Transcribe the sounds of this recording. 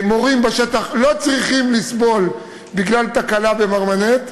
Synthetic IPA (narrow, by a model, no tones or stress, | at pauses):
mo̞ʁimbaʃet̪aχlo̞t͡sʁiχimlisbo̞l | biɡlalt̪akalabe̞maʁmanet̪